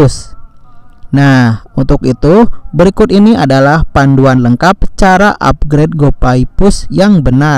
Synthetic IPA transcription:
s | nahunt̪ʊkit̪ubəɾikʊt̪iniadalahpanduanləŋkap̚t͡ʃaɾaʔa̰p̚ɡɾed̚ɡopaipʊsjaŋbəna

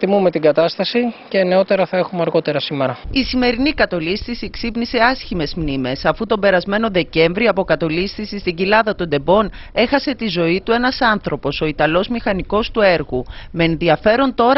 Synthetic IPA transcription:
t̪imume̞t̪iɡɐt̪ɐst̪ɐsice̞ne̞o̞t̪e̞ɾɐθɐe̞xumeɐɾɣo̞t̪e̞ɾɐsimeɾɐisime̞ɾinikɐt̪o̞list̪isieksipnise̞ɐsçime̞zmnime̞sɐfut̪o̞be̞ɾɐzme̞no̞ðe̞ce̞ɱvɾioɐpo̞kɐt̪o̞list̪isist̪iɟilɐðɐt̪o̞nd̪e̞bo̞n | e̞xɐse̞t̪izo̞it̪ue̞nɐsɐnθɾo̞po̞so̞it̪ɐlo̞zmixɐniko̞st̪ue̞ɾɣume̞ːnðiɐfe̞ɾo̞nt̪o̞ɾ

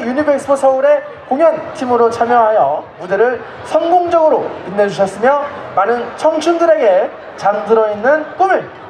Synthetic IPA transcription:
junibʰeks͈ʰɯpʰosʰʌuɾe̞ | koŋjʌntʰimɯɾot͡ɕʰamjʌɦajʌmude̞ɾɯɭ | sʰʌŋɡoŋd͡ʑʌɡɯɾoinːed͡ʑuɕ̬ʰʌs͈ɯmjʌmanɯnt͡ɕʰʌŋt͡ɕʰundɯɾe̞ɡe̞ | t͡ɕamdɯɾʌinːɯnp͈umin

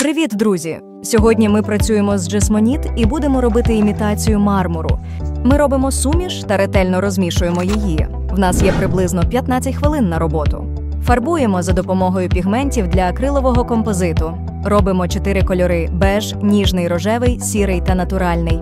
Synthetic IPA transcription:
pɾɪʋʲid̪d̪ɾuzʲi | sʲɔɦɔdʲnʲimɪpɾɐt͡sʲujemɔzd͡ʒesmɔnʲit̪ibud̪emɔɾɔbɪt̪ɪːmʲit̪ɑt͡sʲijʊmɑrmʊɾʊ̰ | mɪɾɔbɪmɔsumʲiʃt̪ɐɾet̪ɛlʲnɔɾɔzʲmʲiʃʊjemɔjiji | wnɑsjɛpɾɪblˠɪznɔpʲjɐt̪nɑt͡sʲɐtʲxʋɪlˠɪnːɐɾɔbɔt̪ʊ̰ | fɐrbujemɔzɐd̪ɔpɔmɔɦɔjʊpʲiɦmɛnʲtʲiwd̪lʲɐkɾɪlˠɔʋɔɦɔkɔmpɔzɪt̪ʊ | rɔbɪmɔt͡ʃɔt̪ɪɾɪkɔlʲɔɾɪbɛʒ | nʲiʒnɪjɾɔʒɛʋɪjsʲiɾɪjt̪ɐnɐt̪ʊɾɑlʲnɪj

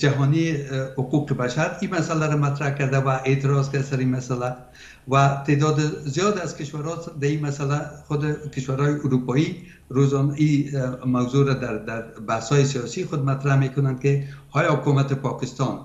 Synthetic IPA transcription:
d͡ʒaɦɔnijehʊquqəbaʃaɾimasalaɾamat̪ɾahkaɾd̪awaʔet̪ɪɾɔzkasaɾimasala | wat̪ed̪ɔd̪ɪzijɒd̪azkɪʃwaɾɔd̪aimasalaxʊd̪ɪkɪʃwaɾhɔjɪʔuɾupɔi | ɾozɔnimawzoɾad̪aɾd̪aɾbahsɔjɪsijɔsixʊd̪mat̪ɾahmekʊnand̪̚kɪ | ɒjɒhʊkumat̪ɪpɒkɪst̪ɔn

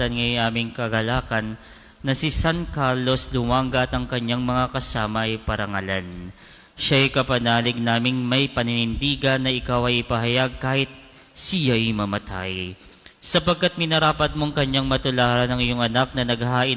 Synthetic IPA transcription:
ɐnŋɐjʔaːmɪŋkɐɡɐlaːkɐnː | ɐsɪsankaɾlo̞slʊmaŋɡɐt̪ɐŋkɐɲːaŋmɐŋakɐsaːmɐʔɐjpɐɾɐŋɐlan | ʃajkɐpɐnaːlɪɡ̚naːmɪŋmɐjpɐnɪnɪnd̪iːɡɐnːɐʔɪkawɐjʔɪpɐɦɐjaɡ̚kaːhɪt̪̚ | sijajmɐmɐt̪ʰa̰j | sɐpɐɡ̚kːat̪̚mɪnɐɾaːpɐt̪̚moŋkɐɲaŋmɐt̪ʊlaːɾɐnɐŋɪjo̞ŋɐnak̚nɐnɐɡhaːʔɪ

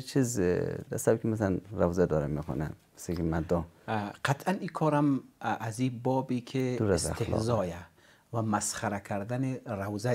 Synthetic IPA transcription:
t͡ʃʰizd̪asabkʲimas̬alanɾawzad̪ɔɾamekɔ̰namisekimad̪ɔqʰat̪ʰanikʰɔːɾamazibɔːbikʰid̪uɾsa̰xt̪el̰zɔːja | vamasχaɾakʰaɾd̪aniɾawza

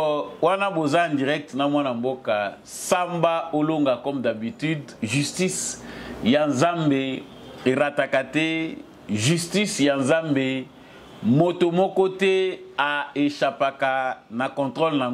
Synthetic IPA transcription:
wanabozaãndiʁɛk̚tnamwanamboka | sambaoloŋɡakɔmdabityd | ʒystisjanzambe | eʁatakatɛ | ʒystisjanzambe | motomɔkɔtɛaeʃapakanakɔ̃ntʁolnaŋ

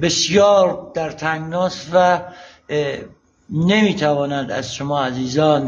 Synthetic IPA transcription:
besjɒːɾd̪æɾt̪ʰæŋnɒːst̪væ | nemiːt̪ʰævɒːnæd̪æ̰zʃomɒːæziːzɒːn

